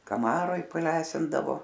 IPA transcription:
kɐˈmɑːroːj pɐˈlʲæːsʲɪndɐʋoː

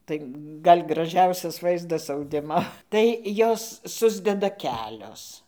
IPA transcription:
ˈtɐɪ ˈɡɐlʲ ɡrɐˈʒʲɛʊsʲɛs ˈʋɐɪzdɐs ɐʊˈdʲɪmoː tɐɪ ˈjoːs ˈsʊzʲdʲɛdɐ ˈkʲæːlʲoːs

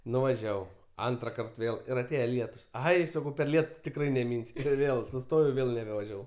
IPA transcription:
nʊʋɐˈʒʲæːʋɐʊ ˈɐntrɐkɐrt ˈʋʲeːlˠ ɪr ˈɑːtʲeːjɛ ˈlʲiɛtʊs ˈɐɪ sɐˈkɐʊ pʲɛr ˈlʲiɛtʊ tʲɪkˈrɐɪ nʲɛˈmʲɪnʲsʲʊ ˈʋʲeːlˠ sʊˈstoːjɛʊ ˈʋʲeːlˠ nʲɛbʲɛʋɐˈʒʲæːʋɐʊ

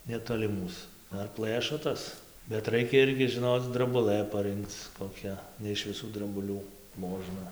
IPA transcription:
nʲɛˌtoːlʲɪ ˈmuːs ˈdɐr ˈplˠɘʃoː ˈtɐs bʲɛt ˈrɐɪkʲɛ ˈɪrʲɡʲɪ ʒʲɪˈnoːt͡s drɐbʊˈlˠɘ pɐˈrɨŋkt͡s koːˈkʲɛ nʲɛ ɪʃ ʋʲɪˈsuː drɐbʊˈlʲuː ˈmoːʒnɐ

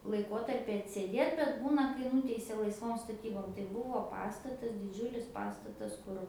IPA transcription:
lˠɐɪˈkoːtɐrʲpʲɪ ɐtʲsʲeːˈdʲeːt bʲɛt ˈbuːnɐ kɐɪ ˈnʊtʲɛɪsʲɛ lˠɐɪsˈʋoːm stɐˈtʲiːboːm tɐɪ ˈbuɔ ˈpɑːstɐtɐs dʲɪˈd͡ʒʲʊlʲɪs ˈpɑːstɐtɐs ˈkʊr

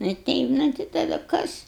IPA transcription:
nʊ ɪ ˈtʲɛɪp nʊ tɐɪ tɐˈdʊ ˈkɐs

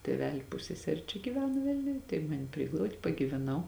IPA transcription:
tʲeːˈʋʲæːlʲɪ ˈpʊsʲsʲɛsʲɛrʲɪ t͡ʃʲɛ ɡʲɪˈʋʲæːnɐ ˈʋʲɪlʲnʲʊj tɐɪ ˈmɑːnʲɪ ˈpʲrʲɪɡlˠɐʊtʲ pɐɡʲiːʋʲɛˈnɐʊ

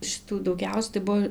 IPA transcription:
ʃʲɪˈtuː dɐʊˈɡʲɛʊsʲɛ tɐɪ ˈbuɔ

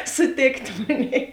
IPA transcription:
sʊˈtʲeːkt ˈmoːnʲɛɪ

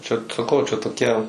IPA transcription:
t͡ʃʲɛ sɐˈkɐʊ t͡ʃʲɛ toːˈkʲɛ

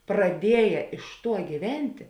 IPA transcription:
prɐˈdʲiɛjɛ ɪʃ ˈtuɔ ɡʲiːˈʋʲɛnʲtʲɪ

